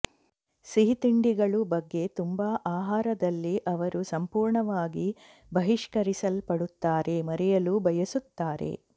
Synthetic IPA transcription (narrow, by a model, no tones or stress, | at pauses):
siɦit̪iɳɖiɡɐɭubɐɡːe̞t̪umbaːʔaːɦaːɾɐd̪ɐlːiʔɐʋɐɾusɐmpuːɾɳɐʋaːɡi | bɐɦiʂkɐɾisɐlpɐɽut̪ːaːɾe̞mɐɾɛjɐlubʱɐjɐsut̪ːaːɾe̞̰